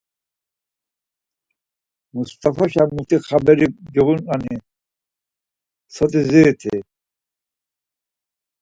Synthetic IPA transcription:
must̪ʼafɔʃamut̪ʰiχabɛɾid͡ʒɔɣunani | sɔt̪ʼizit̪ʰḭ

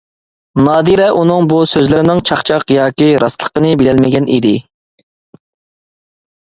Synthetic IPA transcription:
nɑːd̪iɾɛʔunɨŋbusøzlɪɾɪnɪŋt͡ʃʰɑχt͡ʃʰɑqjɑːkʲiɾɑslˠə̥qənɨbelɛlmɪɡʲɛnḭd̪ɪ

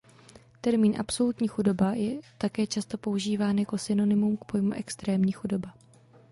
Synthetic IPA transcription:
t̪ɛɾmiːnʔa̰pso̞lut̪ɲiːxudo̞bajɛt̪akɛːt͡ʃast̪o̞po̞uʒiːvaːnjako̞sɪno̞nɪmumk̚pʰo̞jmuʔɛkst̪ɾɛːmɲiːxudo̞ba

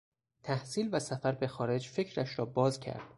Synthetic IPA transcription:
t̪ʰæhsiːlvæsæfæɾbe̞xɒːɾe̞d͡ʒfe̞cʰɾæʃɾɒːbɒːzcʰæ̰ɾd̪̥

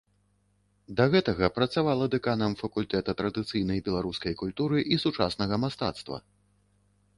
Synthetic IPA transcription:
d̪ɐɣɛt̪ɐɣɐpɾɐt̪savalˠɐd̪ɛkanɐmfɐkulʲt̪ɛt̪ɐt̪ɾɐd̪ɨt̪sɨjnɐjbʲɛlˠaɾuskɐjkulʲt̪uɾɨʔisut͡ʂasn̪ɐɣɐmast̪a̰t̪st̪vɐ̰

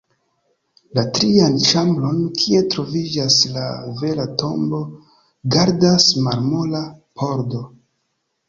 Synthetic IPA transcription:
latɾianʃamblo̞nkʰie̞tɾo̞vid͡ʒaslave̞lato̞mbo̞ | ɡaɾdasmaɾmo̞lapʰo̞ɾdo̞

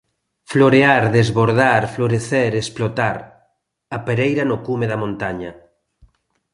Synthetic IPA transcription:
floɾeaɾðezβoɾðaɾfloɾeθeɾesplot̪aɾ | apeɾejɾanokumeðamõnt̪aɲa

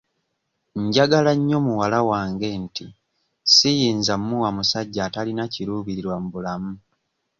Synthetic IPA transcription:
ɲɟaɡalaɲːo̞muwalawaːŋɡe̞nti | sijiːnzamːuwamusaɟːaːtalinaciɾuβiɾiɾwamuβulamu

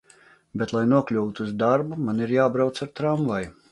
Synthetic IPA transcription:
bet̪lˠajnuɔklʲuwt̪uuzd̪aɾbumaniɾjaːbɾawt̪saɾt̪ɾamvaj

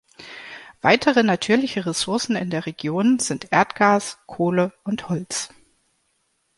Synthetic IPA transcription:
v̥aɪtʰəʁ̞ənatʰyːɐlɪçəʁesʊɐsn̩ɪndeːɐʁeɡ̥joːnzɪntʔeːɐtɡ̥aːskʰoːləʔʊnthɔlt͡s

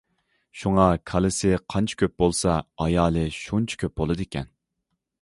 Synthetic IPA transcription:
ʃuŋɑkʰɑlˠɨsɪqʰɑnt͡ʃʰi̥kʲøp̚bolˠsɑɑjɑːlˠɨʃunt͡ʃʰi̥kʲʰøp̚bolˠɨd̪ɨkʲɛ̰n

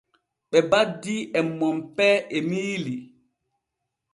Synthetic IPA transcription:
ɓɛbadːiʔɛmːɔmpɛʔemiːli

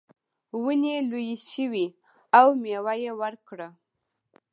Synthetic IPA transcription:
wənelujiʃəwi | awmewajewəɾkɽə

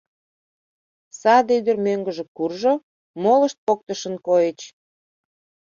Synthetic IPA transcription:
sɑd̪yd̪ərmøŋɡə̆ʒĕkurʒo | moləʃt̪̚pok̚t̪əʃə̆nkojet͡ɕ

